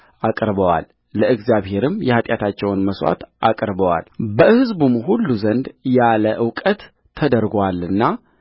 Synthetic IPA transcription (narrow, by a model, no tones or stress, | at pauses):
ʔakʼɾbəwa̰lː | əʔɨɡzjaβhe̞ɾɨmjɛhat̪ʼjat̪ʰat͡ʃːɛwnməswa̰t̪ʔakʼɾbəwa̰lbəɨhɨzbumhulːuzənd̪jaləʔɨwkʼət̪ʰː | əd̪əɾɡwalɨnːa